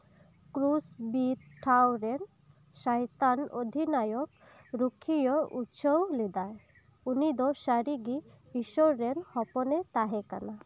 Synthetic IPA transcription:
kɾusbit̪̚ʈʰawɾen | ʃajt̪ano̰d̪ʱinajɔk̚ | ɾukʰːijɔutʃowlid̪ae | unid̪ɔʃaɾiɡi | biʃɔɾenhɔpɔnet̪aɦɛka̰na

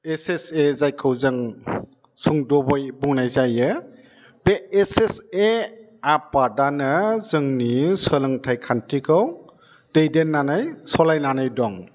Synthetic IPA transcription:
esesezajkʰɯwzɯŋ | suŋdɔbɔjbuŋnajzajɯ | beːsese | apadanɯzɯŋnisəlɯŋtʰajkʰantʰikʰɯw | d̥ejdenːanajsɔlajnanajdɔŋ

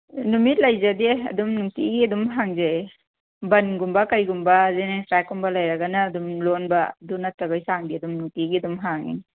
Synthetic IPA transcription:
numit̚lajzadeɐ̰dumnuŋtiɡiɐdumɦaŋzaj | bɐnɡumbakajɡumbazenestɾakːumbalajɾaɡanaːdumlonbadunatːabajsaŋdiɐdumnuŋtiɡiɐdumɦaŋḭn

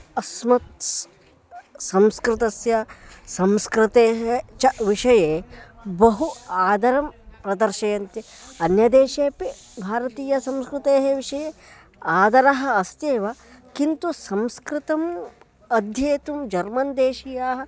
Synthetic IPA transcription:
ɐsmɐt̪̚ | sɐmskɾɪt̪ɐsjɐsɐmskɾɪt̪eːɦet͡ʃɐʋiʂɐjeːbɐɦuaːd̪ɐɾɐmpɾɐd̪ɐɾʃɐjɐnt̪i | ɐnjɐd̪eːʃeːpi | bʱaːɾɐt̪iːjɐsɐmskɾɪt̪eːɦeʋiʂɐjeː | aːd̪ɐɾɐɦɐ̆ɐst̪eːʋɐ | kint̪usɐmskɾɪt̪ɐm | ɐd̪ʱjeːt̪umd͡ʒɐɾmɐnd̪eːʃijaːɦɐ̆

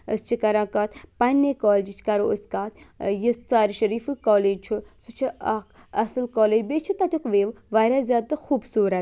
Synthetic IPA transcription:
ə̰st͡ʃʰikɐɾãːkɐt̪pɐnʲːekɔːld͡ʒit͡ʃʰkɐɾoəskaːt̪jist͡saːɾiʃɐɾiːfɨkɔːleːd͡ʒt͡ʃʰusut͡ʃʰiɐk | ɐsɨlkɔːleːd͡ʒbeːt͡ʃʰut̪ɐt̪ʲokʋeːʋʋaːɾʲazʲjaːd̪̚t̪ɨxuːbsuːɾɐt̪

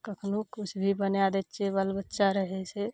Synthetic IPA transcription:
kəkʰnukʰʊt͡ʃʰbʱibənead̪et͡ʃebəlbətːʃaɾəɦese

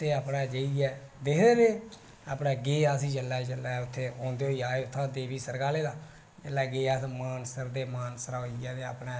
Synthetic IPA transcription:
t̪eːaːpnɛːd͡ʒəiɛː | d̪ekʰd̪eːbeː | aːpnɛːɡeːaːsiːd͡ʒəlːaːt͡ʃəlːaːʊt̪ʰːeːɔ̃ːnd̪eːɦoːiːaːeːʊt̪ʰːãːd̪eːbiːsəɾɡaːleːd̪aː | d͡ʒəlːɛːɡeːaːsmaːnsəɾd̪eːmaːnsəɾaoiɛːt̪eːa̰ːpnɛː

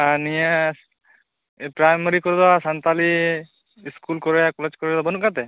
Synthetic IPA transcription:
anija | pɾajmɔɾikɔɾd̪ɔasant̪ali | skulkɔɾɔjakɔled͡ʒkɔɾɔjd̪ɔbɔnkat̪ɛ

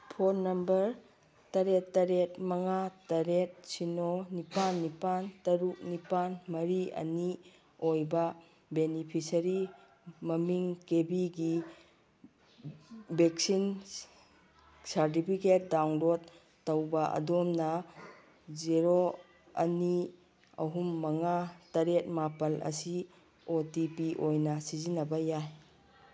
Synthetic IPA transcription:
pʰoɾnɐmbɐɾ | tɐɾetːɐɾet̚mɐŋatɐɾet̚sinonipanːipantɐɾuk̚nipanmɐɾiɐ̰ni | ojbɐ | benipʰisɐɾi | mɐmiŋkebiɡi | beksin | saɾt̬ipʰiket̚dawnɾotː | ɐwbɐɐ̰domnɐ | ziɾo | ɐ̰ni | ɐ̰ɦumːɐŋatɐɾet̚mapɐlʔɐ̰si | otipiʔojnɐsizinɐbɐjaj

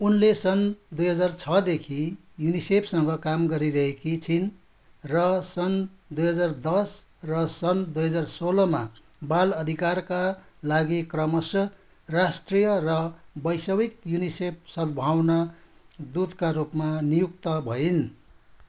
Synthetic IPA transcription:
unlesʌnd̪ujɦʌd͡zart͡sʰʌd̪ekʰi | junisepʰsʌŋɡʌkamɡʌɾiɾʌɦekit͡sʰin | rʌsʌnd̪ujɦʌd͡zard̪ʌs | rʌsʌnd̪ujɦʌd͡zarsolʌma | balʌd̪ʱikarkalaɡikrʌmʌsʌ | rasʈrijʌrʌbʌjsʌwikjunisep̚ʰsʌd̪bʱawnʌd̪ud̪kaɾupmanijukt̪ʌbʱʌin

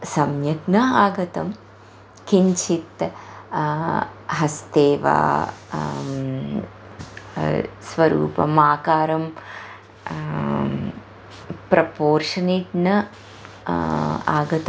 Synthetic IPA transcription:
sɐmjɐʈnɐaːɡɐt̪ɐm | kiɲt͡ʃʰit̪ | ɦɐst̪eːʋa̰ː | sʋɐɾṵːpɐ̰maːkaːɾɐm | pɾɐpoːɾʂɐniʈnɐ | a̰ːɡɐt̪ɐ

